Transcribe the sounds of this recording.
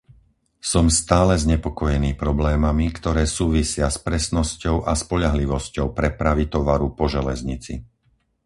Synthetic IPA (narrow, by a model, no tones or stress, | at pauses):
sɔmst̪aːlɛzɲɛpɔkɔjɛniːpɾɔblɛːmamikt̪ɔɾɛːsuːʋisɪaspɾɛsnɔscɔʊʔaspɔʎaɦliʋɔscɔʊpɾɛpɾaʋit̪ɔʋaɾupɔʒɛlɛzɲit͡sḭ